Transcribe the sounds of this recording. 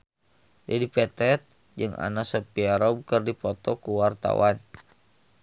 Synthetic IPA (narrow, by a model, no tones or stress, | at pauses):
d͡ʒadipɛt̪ɛt̪̚ | d͡ʒɨŋa̰nasəpiaɾɔb̚kərdipɔt̪ɔkuwart̪a̰wan